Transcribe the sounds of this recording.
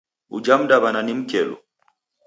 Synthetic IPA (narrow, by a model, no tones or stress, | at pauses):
ṵd͡ʒam̩daβananim̩kɛlɔ̰